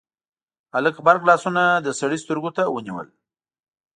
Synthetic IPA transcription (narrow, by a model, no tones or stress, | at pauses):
aləkbaɾɡlɑsunad̪əsaɽist̪əɾɡot̪awəniwə̰l